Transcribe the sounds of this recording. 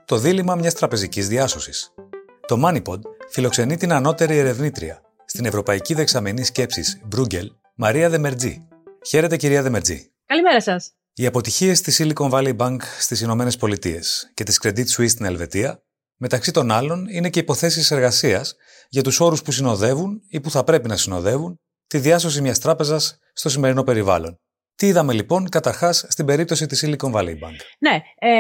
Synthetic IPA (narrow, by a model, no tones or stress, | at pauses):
t̪o̞ðilimɐmɲɐst̪ɾɐpe̞zicizðiɐso̞si̥s | t̪o̞mɐnipo̞d̪filo̞kse̞nit̪inɐno̞t̪e̞ɾieɾe̞vnit̪ɾḭɐ̰ | st̪ine̞vɾo̞pɐiciðe̞ksɐmenisce̞psḭsbɾuɟe̞l | mɐɾiɐðe̞me̞ɾd͡zḭ | çe̞ɾe̞t̪e̞ciɾiɐðe̞me̞ɾd͡zḭ | kɐlimeɾɐsɐs | iɐpo̞t̪içie̞st̪isiliko̞nvɐlibɐŋkst̪isino̞me̞ne̞spo̞lit̪ie̞̰sce̞t̪iskɾe̞d̪it̪suist̪ine̞lve̞t̪iɐ | me̞t̪ɐksit̪o̞nɐlo̞nine̞ce̞ipo̞θe̞sise̞ɾɣɐsiɐs | ʝɐt̪uso̞ɾuspusino̞ðe̞vunipuθɐpɾe̞pinɐsino̞ðe̞vun | t̪iðiɐs̬o̞s̬imɲɐst̪ɾɐpe̞zɐsː | t̪o̞simeɾino̞pe̞ɾivɐ̰lo̞n | t̪iiðɐme̞lipo̞ŋkɐt̪ɐɾxɐsːt̪ibe̞ɾip̚t̪o̞s̬it̪isiliko̞ɱvɐlḭbɐ̰ŋkne